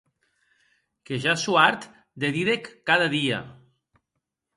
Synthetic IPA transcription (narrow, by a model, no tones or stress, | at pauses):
keʒasuaɾt̪ | d̪eðiðekːaðaðia̰